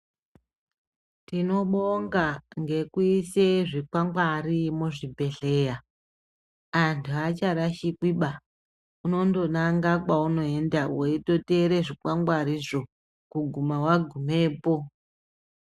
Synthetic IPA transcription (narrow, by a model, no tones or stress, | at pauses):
tino̞ɓoŋɡaŋɡe̞kuiseʐikwaŋɡwarimuʐibʱe̞ɬe̞ːja | antʰuat͡ʃaɾaʃikiɓa | uno̞ndo̞naŋɡakwauno̞e̞ndaweito̞te̞ɾeʐikwaŋɡwaɾiʐo̞ | kuɡʱumawaɡʱume̞ːpo̞